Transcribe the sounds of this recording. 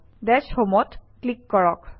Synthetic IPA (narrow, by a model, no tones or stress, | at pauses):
dɛsomɔtklikːɔɹɔk